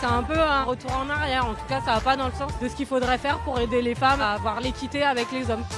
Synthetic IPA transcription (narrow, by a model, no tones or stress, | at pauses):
sɛɛ̃pøɛ̃ʁət̪uʁɑ̃naʁjɛʁɑ̃t̪u̥kasaapad̪ɑ̃ləsɑ̃sd̪əsə̥kʲilfod̪ʁɛfɛʁpuʁed̪elefamavwaʁlekʲit̪eavɛklezɔm